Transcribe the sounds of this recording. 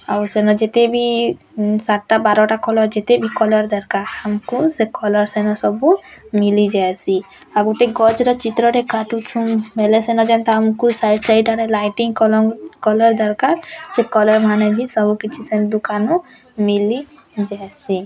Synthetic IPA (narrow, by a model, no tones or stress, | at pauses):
awsenɔd͡ʒet̪ebʱi | saʈʈabaɾɔʈakɔlɔɾd͡ʒet̪ebʱikɔlɔɾd̪ɔɾkaɾamkusekɔlɔɾsɛnɔsɔbumilid͡ʒaesi | aɡuʈeɡɔd͡ʒɾɔt͡ʃit̪ɾɔɾekaʈut͡ʃʰũbʱelesenɔd͡ʒɛnt̪ɔamkusajɖɾajʈaɾelajʈiŋkɔkɔlɔɾd̪ɔɾkaɾsekɔlɔɾmanebʱisɔbukit͡ʃʰisɛnd̪ukanu | mili | d͡ʒaesi